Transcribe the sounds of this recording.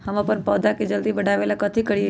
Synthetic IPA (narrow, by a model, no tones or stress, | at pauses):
həmãpəɾpɔːd̪aked͡ʒəld̪ibəɽ̤ʱaːʋeːlakət̪ʰikəɽi